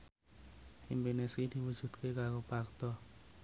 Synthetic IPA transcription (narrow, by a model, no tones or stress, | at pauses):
indoneskid̪iwud͡ʒud̪kekakopakt̪ɔ